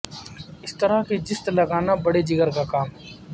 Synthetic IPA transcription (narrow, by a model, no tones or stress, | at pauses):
ɪst̪əɾaked͡ʒɪst̪lɐɡaːnabɐɽed͡ʒɪɡəɾkakaːmɦɛ